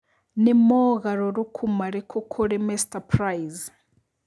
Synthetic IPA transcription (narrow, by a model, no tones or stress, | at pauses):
nɛmɔɣaɾɔɾɔkʰumaɾɛkʰɔkʰɔɺɛmɛstapʰrajiz